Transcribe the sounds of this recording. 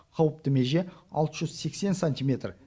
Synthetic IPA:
qʰɑwəp̚t̪əme̞ʒe̞ɑ̰lˠt̪əʒʏz̥se̞kse̞nsanʲt̪ʲijmʲe̞t̪r

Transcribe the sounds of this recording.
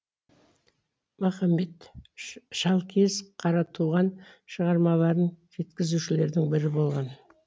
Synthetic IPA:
mɑχɑmːe̞t̪ | ʃɑlˠkʲʰe̞zqʰɑɾɑt̪ʰuʁɑnʃəʁɑɾmɑlˠɑɾənʒe̞t̪kʲɪzuʃɪle̞ɾd̪ɪŋbɪɾɪbo̞lˠʁɑn

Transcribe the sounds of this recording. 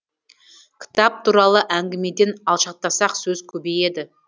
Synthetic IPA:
kʲʰɪ̥t̪ɑp̚t̪ʰuɾɑlˠəʔæŋɡʲɪme̞d̪e̞nɑlˠʃɑq̚t̪ɑsɑqsɵz̥kʲʰɵbe̞je̞d̪ɪ

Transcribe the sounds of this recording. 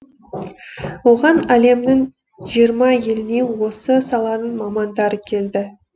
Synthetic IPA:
wo̞ʁɑnæle̞mnɪŋ | ʒijəɾmɑje̞lɪne̞wo̞səsɑlˠɑnənmɑmɑnd̪ɑɾəkʲʰe̞ld̪ɪ

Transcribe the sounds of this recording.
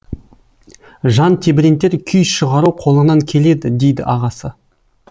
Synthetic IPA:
ʒɑnt̪ʰebɾʲent̪ːe̞ɾkʲʰʏjʃəʁɑɾuqʰo̞lˠənɑŋkʲʰe̞le̞d̪ɪd̪e̞jd̪ɪ̰ʔɑʁɑsə

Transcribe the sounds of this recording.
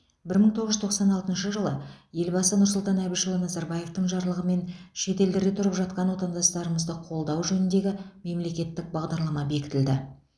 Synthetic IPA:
bɪɾməɴt̪ʰoʁəʒʏzt̪ʰo̞qsɑnɑlˠt̪ənʃəʒəlˠəje̞lbɑsənʊɾsʊlˠt̪ɑnæbijʃolˠɑnɑzɑɾbɑje̞ft̪əɴʒɑɾlˠəʁəme̞nʃe̞t̪e̞ld̪ɪɾɡ̪ʲet̪ʰʊɾəpʒɑt̪̚qɑnwo̞t̪ɑnd̪ɑst̪ɑɾəməzd̪əqʰo̞lˠd̪ɑwʒɵnɪnd̪e̞ɡʲɪme̞mle̞kʲe̞t̪ːɪk̚bɑʁd̪ɑɾlˠɑmɑbe̞kʲɪ̥t̪ɪld̪ɪ

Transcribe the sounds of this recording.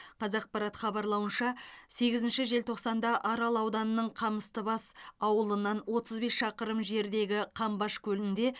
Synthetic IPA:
qʰɑzɑq̚pɑɾɑt̪χɑbɑɾlˠɑwənʃɑse̞ɡʲɪzɪnʃɪʒe̞lt̪ʰo̞qsɑnd̪ɑʔɑɾɑlˠɑwd̪ɑnənəɴqʰɑməst̪əbɑsɑwəlˠənːɑnwo̞t̪ʰəzbe̞sʃɑqəɾəmʒe̞ɾd̪e̞ɡʲɪqʰɑmbɑʃkʲʰɵlɪnd̪e̞

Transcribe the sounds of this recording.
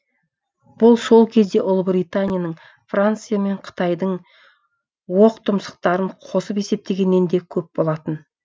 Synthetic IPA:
b̥ʊlˠso̞lˠkʲʰe̞zd̪e̞ʔʊlˠbɾijt̪anʲijanəɴ | frant̪sɨjame̞ɴqʰə̥t̪ɑjd̪əɴ | woqt̪ʰʊmsə̥q̚t̪ɑɾəɴqʰo̞səpe̞se̞p̚t̪e̞ɡʲe̞ne̞nd̪e̞kʲʰɵp̚bo̞lˠɑt̪ən

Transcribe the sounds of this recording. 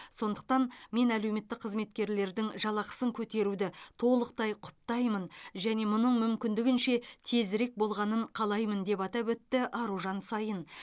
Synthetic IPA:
so̞nd̪əq̚t̪ɑnme̞nælewme̞t̪ːɪk̚qʰːəzme̞t̪̚kʲe̞ɾle̞ɾd̪ɪŋʒɑlˠɑqə̥səŋkʲʰɵt̪e̞ɾud̪ɪt̪ʰo̞lˠəq̚t̪ɑjqʰʊ̥p̚t̪ɑjmənʒæne̞mʊnəɴmʏmkʲɪnd̪ɪɡʲɪnʃe̞t̪ʰe̞zɾe̞k̚bo̞lˠʁɑnəɴqʰɑlˠɑjmənd̪e̞pɑt̪ɑpɵt̪ːɪʔɑɾuʒɑnsɑjən

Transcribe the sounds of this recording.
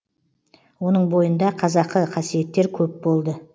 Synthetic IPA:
wo̞nəɴbo̞jənd̪ɑqʰɑzɑqːəqʰɑsije̞t̪ːe̞ɾkʲʰɵp̚bo̞lˠd̪ə

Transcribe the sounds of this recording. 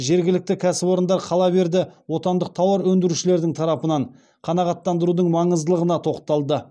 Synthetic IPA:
ʒe̞ɾɡʲɪlɪk̚t̪ɪkʲʰæsɪbo̞ɾənd̪ɑɾqʰɑlˠɑbe̞ɾd̪ɪwo̞t̪ɑnd̪əq̚t̪ʰɑwɑɾwɵnd̪ɪɾuʃɪle̞ɾd̪ɪŋt̪ʰɑɾɑpənɑɴ | qʰɑnɑʁɑt̪ːɑnd̪əɾud̪əɴmɑɴəzd̪əlˠəʁənɑt̪ʰo̞qt̪ɑlˠd̪ə

